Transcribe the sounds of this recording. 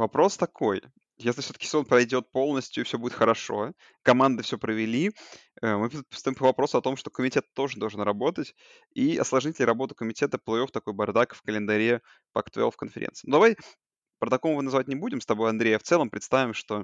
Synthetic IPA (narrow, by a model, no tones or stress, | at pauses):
vɐpɾo̞st̪ɐkʰo̞j | jesʲlʲɪfsʲot̪əkʲɪ̥sʲɪzo̞npɾɐjdʲo̞t̪̚po̞lˠnəsʲtʲjʊɪfsʲoudʲɪt̪xəɾɐʂo̞ | kɐmand̪ɨfsʲopɾəvʲɪlʲi | əmɨst̪ɐjʲimpəvɐpɾo̞sʊɐt̪o̞mʂt̪o̞kəmʲɪtʲe̞t̪ːo̞ʐɨd̪oʐənrɐbo̞t̪ətʲ | iɐ̰slˠɐʐɲʲitʲlʲɾɐbo̞t̪ʊ̥kəmʲɪtʲe̞t̪əplˠɐjoft̪ɐko̞jbɐrd̪akfkəlʲɪnd̪ɐɾʲe | pɐ̰kt̪vʲḛlˠfkənfʲɪɾʲḛnsɨɪnud̪ɐvaj | pɾət̪ɐkomʊvɨnɐzvat̚ʲnʲɪbudʲɪmst̪ɐbo̞jɐnd̪ɾʲejaft̪sɛlˠəmpɾʲɪt̪st̪avʲɪmʂt̪o̞